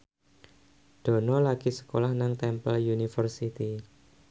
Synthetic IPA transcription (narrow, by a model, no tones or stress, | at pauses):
d̪̥ɔ̤nɔlaɡ̥isə̥kolahnaŋt̪ɛmpəljunifərsit̪i